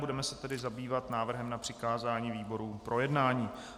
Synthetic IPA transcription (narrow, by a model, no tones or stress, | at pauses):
budɛmɛsɛt̪ɛdɪzabiːvat̪naːvr̩ɦɛmnapr̥ɪkaːzaːɲiːviːbo̞ɾuːpɾʔojɛdnaːɲiː